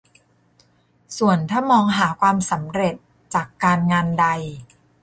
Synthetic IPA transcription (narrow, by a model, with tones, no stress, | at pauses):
su˨˩ənt̪ʰaː˥˩mɔː˧ŋɦaː˩˦kʰwaː˧msa˩˦mɾe˨˩t̪̚ | t͡ɕaː˨˩kːaː˧nŋaː˧nda˧j